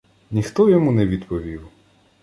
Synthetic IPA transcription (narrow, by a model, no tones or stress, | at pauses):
nʲixt̪ɔjɔmunɛʋʲid̪pɔʋʲiw